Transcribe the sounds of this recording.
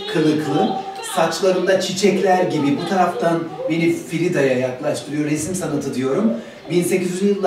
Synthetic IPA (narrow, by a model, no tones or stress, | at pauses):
kʰɯlˠɯklˠɯ | sat͡ʃlˠaɾɯnd̪at͡ʃʰit͡ʃʰɛclʲæɾɟibibut̪ʰaɾaft̪ʰanbe̞nifiɾid̪ajajaklˠaʃt̪ʰɯɾɯjo̞ɾesmsanɯt̪ʰɯd̪ijo̞ɾum | binse̞cizyjɯlˠː